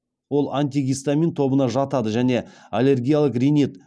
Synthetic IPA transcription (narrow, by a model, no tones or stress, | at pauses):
wo̞lˠanʲt̪̬ʲiɡʲijst̪amint̪ʰo̞bənɑʒɑt̪ɑd̪əʒæne̞alʲe̞rɡʲijalˠəqrʲijnit̪